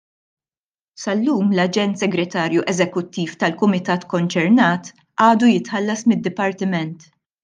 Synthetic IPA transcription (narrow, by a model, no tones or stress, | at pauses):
sɐlːuːmlɐd͡ʒɛnt̪sɛɡɾɛt̪ɐːɾjuʔɛzɛkʊt̪ːiːft̪ɐlkʊmɪt̪ɐːt̪kɔnt͡ʃɛɾnɐːt̪ | ʔɐːd̪ujɪt̪ħɐlːɐsmɪd̪ːɪpɐɾt̪ɪmɛnt̪